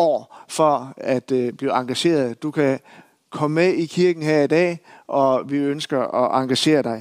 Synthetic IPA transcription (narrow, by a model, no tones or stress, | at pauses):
ɒ̰ːfɒ̽æd̥b̥liɑ̈ŋɡ̥æɕe̝̰ːɐð̞ˠd̥ukʰæ | kʰɒ̽mmeikʰiɐɡ̥n̩ɦeɐ̰id̥ɛ̰ːʔɒ̽ʋiønsɡ̥ɐɒʔɑ̈ŋɡ̥æɕe̝̰ːɐd̥ɑ̈ɪ